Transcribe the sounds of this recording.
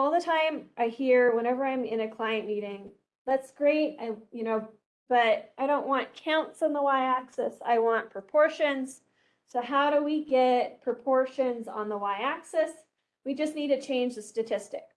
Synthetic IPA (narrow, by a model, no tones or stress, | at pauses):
ɔlˠðətʰãɪ̃mʔaɪhiɹwə̃ɾ̃ɛvə˞ãɪ̃mɪ̃nɨkʰl̥aɪɨ̃nmiɾɪ̃ŋ | ðætsɡ̥ɹeɪt̚a̰ɪjɨnoʊ | b̥ʌɾaɪɾõʊ̃nʔwɑ̃nkʰãʊ̃ntsn̩ðəwaɪæksɛsa̰ɪwɑ̃npʰɹ̥əpʰɔɹʃɨ̃nz̥ | soʊɦaʊɾəwiɡɛt̚pʰɹ̥ɨpʰɔɹʃɨ̃nzn̩ðəwaɪæksɛs | wid͡ʒʌstⁿnid̚tɨt͡ʃʰẽɪ̃nd͡ʒðɨstɨtʰɪstɨk